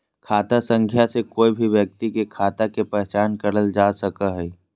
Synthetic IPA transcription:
kʰaːt̪asə̃ŋkʰjasekoːibʱiʋjək̚t̪ikekʰaːt̪akepɛɦɛt͡ʃaːnkəɽəld͡ʒaːsəkaɦɛː

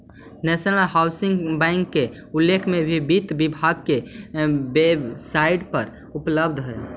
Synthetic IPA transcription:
nɛsnəlɦawsiŋɡbɛ̃ɪŋkːe | ulːekʰmebʱibit̪bibʱaɡ̚ke | besaiɖpəɾ | upləbd̪ʱɦɛl

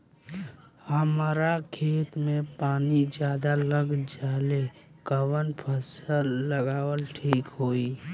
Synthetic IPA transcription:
həmɾakʰeːt̪mepaːnid͡ʒjaːd̪aləɡd͡ʒaːle | kəwənpʰəsəlːəɡaːwəlʈʰiːkɦoːi

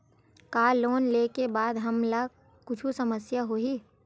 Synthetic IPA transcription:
kaːloːnleːkebaːd̪ɦɐmla | kʊt͡ʃʰusɐməsjaɦoːɦiː

